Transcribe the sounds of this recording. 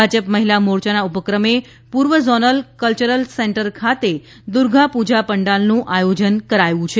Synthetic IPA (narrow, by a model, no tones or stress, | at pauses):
ad͡ʒəpməɦilamoɾt͡ʃanaupəkɾəme | puɾʋəzɔnəlkəlt͡ʃəɾəlseɳʈəɾkʰat̪e | d̪ʊɾɡʱãpud͡ʒapəɳɖalnũʔajod͡ʒənkəɾajũt͡ʃʰe